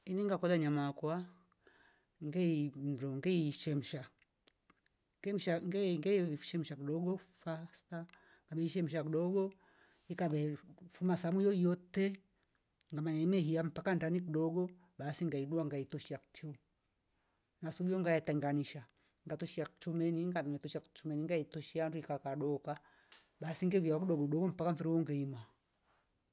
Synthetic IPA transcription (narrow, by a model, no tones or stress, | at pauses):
iniŋɡakɔðaɲamakwa | ŋɡɛim̩dɔŋɡɛiʃɛm̩ʃa | ɡɛm̩ʃaŋɡɛŋɡɛʃɛm̩ʃakiɗɔɡɔfasta | ŋɡabɛiʃɛm̩ʃ̬akiɗɔɡɔ | ikabɛfumasamujɔjɔtɛ | ŋɡamaɲaimɛhiam̩pakandanik̬iɗɔɡɔ | ɓasiŋɡaiɗuaŋɡaitɔʃiaku̥tʰiu | ŋɡasuɡiɔŋɡajɛtɛŋɡaniʃa | ŋɡatɔʃiakut͡ʃumɛniŋɡamɛmɛtɔʃiakt͡ʃumɛniŋɡaitɔʃianduikakaɗɔka | baːsiŋɡɛviakuɗɔɡɔkɗɔɡɔm̩pakaɱfiɾiwɔŋɡɛima